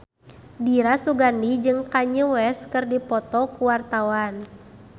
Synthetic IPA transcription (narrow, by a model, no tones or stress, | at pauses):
diɾasuɡandid͡ʒɨŋkaɲəwɛskɨrdipɔt̪ɔkuwart̪awan